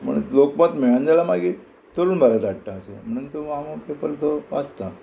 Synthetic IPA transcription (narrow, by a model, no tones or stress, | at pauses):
m̤ə̰ɳlokmət̪meɭand͡zalamaɡi | t̪əɾuːnbʱaɾat̪aɽʈ̪aəsem̤əɳ̃ənt̪uʋamopepəlt̪ʰoʋast̪a